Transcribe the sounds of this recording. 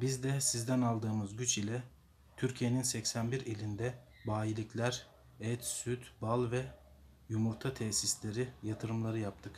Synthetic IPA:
bizd̪ɛsizd̪ænalˠd̪ɯːmɯzɟyt͡ʃilʲɛ | t̪ʰyɾcʰijeninsɛcsænbiɾelʲind̪ɛ | baːilʲiclʲæɾ | ɛt̪syt̪balˠvɛ | jumuɾt̪ʰat̪ʰɛsislʲe̞ɾijat̪ʰɯɾɯmlˠaɾɯjap̚t̪ʰɯk

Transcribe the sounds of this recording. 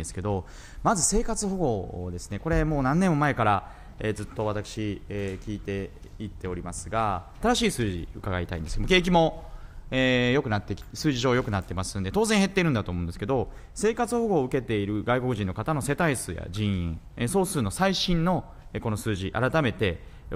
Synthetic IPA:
esɨ̥ke̞d̪o̞ | mazɨse̞ːkat͡sɨho̞ɡo̞d̪e̞sɨne̞ko̞ɾe̞mo̞ːnãnːẽmːomae̞kaɾa | ezɨt̪ːo̞βat̪akɯ̟̥ɕikʲiːt̪e̞ | it̪ːe̞o̞ɾʲimasɨɡa | t̪aɾaɕiːsɨːʑḭɯ̟kaɡait̪a̰ĩnd̪esɨjomoke̞ːk̬ʲimo̞ | eːjo̞kɯ̟nat̪ːe̞kʲi̥sɨːʑiʑo̞ːjo̞kɯ̟nat̪ːe̞masɨ̃nd̪e̞t̪o̞ːzẽɰ̃ɦe̞t̪ːe̞iɾɯ̟nd̪at̪omo̞ɯ̃nd̪sɨ̥ked̪o̞ | se̞ːkat͡sɨho̞ɡo̞ːɯ̟ke̞t̪e̞iɾɯ̟ɡaiko̞kɯ̟ʑĩnːokat̪ano̞se̞t̪aisɨːja̰d͡ʑĩɰ̃ĩ | eso̞ːsɨɾɯno̞saiɕĩnːo̞ | eko̞no̞sɨːʑiʔa̰ɾat̪ame̞t̪e̞

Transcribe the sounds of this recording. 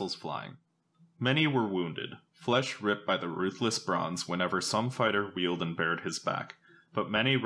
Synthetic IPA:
l̩ˠz̥fla̰ɪɪ̰̃ŋ | mɛñiwə˞wũndɪ̰d̥ | flɛʃɹɪp̚b̥aɪðɨɹʉθləsb̥ɹɑ̰̃nz̥wə̃nɛvə˞sʌ̃ɱfaɪɾə˞wilˠdə̃nbɛɹd̚ɨzbæ̰k | b̥ʌt̚mɛɾ̃i

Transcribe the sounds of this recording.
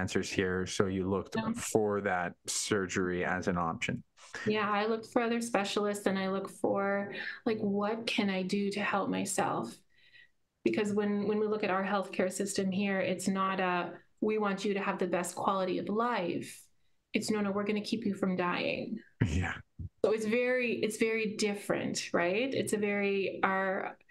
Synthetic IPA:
nsə˞z̥hiɹsoʊjɨlʊk̚tfə˞ðæt̚sɜ˞d͡ʒə˞iɨ̰zɨ̃nɑ̰pʃɨ̰̃n | jæaɪlʊkfəə˞ʌðə˞spɛʃl̩ˠɪstsɨ̃naɪlʊkfə˞laɪkwʌt̚kʰɨ̃naɪdɨɾɨhɛlˠp̚maɪsɛ̰lˠf | b̥ɨkʰʌzwə̃nwə̃nwilʊkɨɾaʊə˞ɦɛlˠθkʰɛɹsɪstɨ̃mɦiɹɪtsnəɾə | wiwɑ̃nt͡ʃɨɾɨːvðɨbɛskʰw̥ɑlˠəɾiʌ̰vlaɪf | ɨtsnõʊñoʊwɪɹɡʌnɨkʰipjɨfɹʌ̃mdaɪɪ̰̃ŋjæ̰soʊɨtsvɛɹiʔɨtsv̥ɛɹidɪfɹɨ̰̃ntɹa̰ɪtɨ̰tsɨvɛɹiə˞

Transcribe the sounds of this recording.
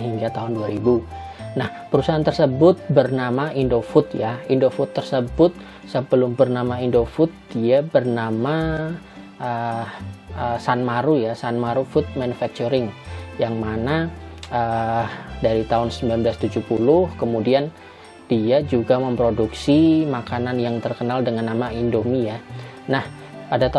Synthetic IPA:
ɦiŋɡat̪aɦʊnduaɾibunahpəɾusaɦant̪ərsəbʊt̪̚bərnamaindofʊt̪jaindofʊt̪ːərsəbʊt̪̚ | səbəlʊmbərnamaindofʊt̪̚d̥iabərnama | ʔə | əsanmaɾujasanmaɾufʊt̪̚manufak̚t͡ʃuɾɪŋjaŋmanaə | daɾit̪aʊnsəmbilanmbəlast̪ud͡ʒupulʊhkəmudian | d̥iad͡ʒuɡaməmpɾoduksimakananjaŋt̪ərkənaldəŋanːamaindomija | nah | padat̪

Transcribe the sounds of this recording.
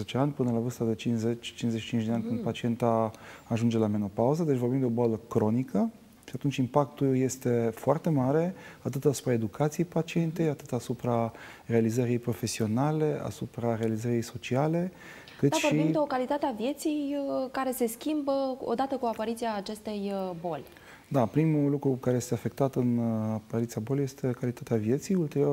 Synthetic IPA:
et͡ʃ̪eanʲpɨnəlavɨrst̪ad̪e̞t͡ʃinzet͡ʃʲt͡ʃinzeʃi̥t͡ʃint͡ʃd̪eanʲkɨnd̪pat͡ʃie̞nt̪aaʒund͡ʒe̞lame̞no̞pauzəd̪et͡ʃʲvobimd̪eo̞boaləkɾo̞nikʰə | ʃiat̪unt͡ʃʲimpak̚t̪ulje̞st̪e̞foart̪e̞maɾe̞at̪ɨt̪asu̥pɾae̞d̪ukʰat̪sijejpat͡ʃie̞nt̪ejat̪ɨt̪asupɾa | re̞alizəɾiejpɾo̞fe̞sio̞nale̞ʔa̰supɾaɾealizəɾijejso̞t͡ʃiale̞ | kɨt̪aʃvo̞ɾiimd̪eokalit̪at̪eavje̞t̪sijkaɾe̞se̞skʲimbəo̞̰d̪at̪əkuapaɾit̪siaːt͡ʃe̞st̪e̞jbo̞lʲ | d̪apɾimulukɾukaɾe̞je̞st̪e̞afe̞k̚t̪at̪ɨnapaɾit̪siabo̞leje̞st̪e̞kalit̪at̪eavije̞t̪sijult̪e̞ɾio

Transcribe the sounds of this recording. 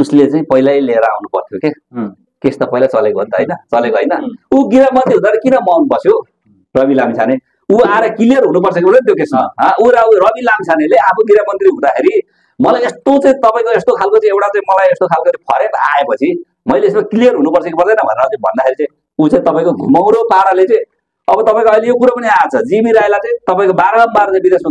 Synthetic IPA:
uslet͡saĩpʌjlajleɾʌa̰wnupʌ̰rt̪ʰjoke | kest̪ʌpʌjlat͡sʌlekoɦṵ̃nt̪ʌɦʌ̰jnʌt͡sʌlekoɦʌjnʌuɡiɾamʌnt̪riɦũd̪aeɾikinʌmʌawnubʌsjo | rʌbilamt͡sʰane | uaɾʌkilijʌrɦunupʌrsʌkopʌrdʌjnʌt̪jokesʌɦʌ̃uɾawrʌbilamt͡sʰaneleapʰoɡiɾamʌnt̪riɦũd̪akʰeɾi | mʌlajest̪ot͡sʌ̃ĩt̪ʌpaĩkoest̪okʰalkot͡sʌĩewʈat͡saĩmʌlajest̪okʰalkot͡sʌ̃pʰʌɾeka̰epʌt͡sʰi | mʌjleesmakilijʌrɦunupʌrsʌkepʌrd̪ʌjnʌbʱʌ̰neɾʌt͡saĩbʱʌ̰nd̪akʰeɾit͡sʌ̃ĩ | ut͡sãĩt̪ʌpaĩkoɡʱumaw̃ɾopaɾalet͡sʌ̃ĩ | ʌbʌt̪ʌpaĩkoʌjlejokuɾʌpʌniat͡sʰʌd͡zimiɾajlajt͡sʌĩt̪ʌpaĩkobaɾʌɽʌmbaɾʌt͡sãbid̪esma

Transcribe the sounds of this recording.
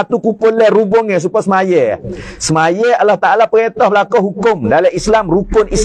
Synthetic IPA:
at̪ukukolɛrubɔŋjas̬upɔsəmajɛsəmajɛalːaht̪aalapəɛt̪ɔhbəlakɔɦukʊmdalɛislamrukʊnis

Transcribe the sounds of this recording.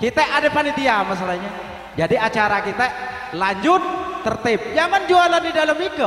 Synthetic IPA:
kit̪aʔadapanit̪iamas̬alaɲa | d͡ʒadiat͡ʃaɾakit̪a | laɲd͡ʒʊt̪̚ːərt̪ɪp̚d͡ʒaŋand͡ʒualandidalamiku

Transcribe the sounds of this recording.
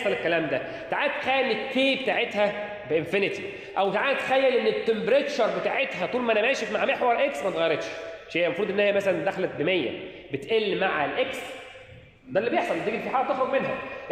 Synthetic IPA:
sˤɑlekːælæːmd̪æ | t̪aʕaːt̪e̥xæːnek̪ːeːbet̪aːʕet̪hæ | beʔenfenet̪i | ʔæwt̪ʕaːt̪xæjːælʔenːet̪ːembɾeʃɑɾˤbet̪aːʕet̪ɦæt̪ˤuːlmæʔænæmæːʃefmaʕmeħwɑɾˤʔeksmæt̪ɣɑjɾed̪ʃʃhejːæmɑfɾuːd̪ʔenːhejːæmæsælænd̪æxælæt̪̚bemejːæ̰ | bet̪ʔelːmaʕlʔeks | d̪ælːibjeħsˤɑled̪eɡilfiːħaːɾæt̪exɾoɡmenɦæ̰

